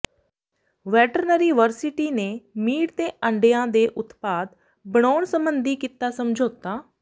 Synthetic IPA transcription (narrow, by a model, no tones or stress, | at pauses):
ʋɛːʈəɾnəɾiːʋəɾsɪʈiːneːmiːɽt̪eːʔə̃ɳɖejãːd̪eːʔʊt̪paːd̪ | bəɳ̃ɔːɳsəmbənd̪iːkiːt̪aːsəmd͡ʒʱoːt̪aː